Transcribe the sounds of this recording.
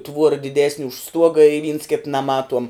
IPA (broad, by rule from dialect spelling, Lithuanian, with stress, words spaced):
ˈtʋuɔrɐ dʲɪˈdʲæːsʲnʲɪ ʊʃ ˈstuɔɡɐ ɪ ʋʲiːns kʲɪt nɐˈmɑːtuɔm